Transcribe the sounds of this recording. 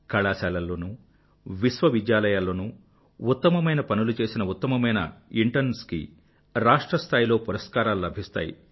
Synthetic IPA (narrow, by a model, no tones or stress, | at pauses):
kɐɭaːsaːlɐlːoːnu | ʋiʃʋɐʋid̪jaːlɐjaːlːoːnu | ut̪ːɐmɐmɐjnɐpɐnulut͡ʃe̞ːsinɐut̪ːɐmɐmɐjnɐ̰iɳʈɐɾnskḭ | ɾaːʂʈɾɐst̪ʰaːjilo̞ːpuɾɐskaːɾaːlulɐbʱist̪a̰ːjḭ